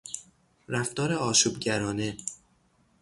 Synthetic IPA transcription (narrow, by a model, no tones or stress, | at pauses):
ɾæft̪ɒːɾe̞ɒːʃuːb̚ɟæɾɒːne̞